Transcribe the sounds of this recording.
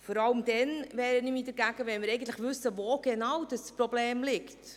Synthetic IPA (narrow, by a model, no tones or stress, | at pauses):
fɔɾɑləmd̥ɛnvɛːɾənymidəɾɡæɡ̥əʋɛnmɪɾɛɪɡən̩tləχʋʏsəvoːɡ̥enɑwd̥əsprobleːmlɪkt